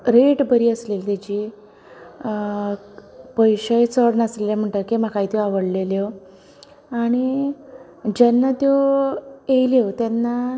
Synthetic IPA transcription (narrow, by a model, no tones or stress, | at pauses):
ɾeʈbəɾiːəslelt̪at͡ɕi | pəjɕəjt͡səɽnasleljam̤əɳʈəkem̤akajt̪joaʋəɽleljo | aɽ̃i | d͡ʑanːat̪jo | ejljot̪janːa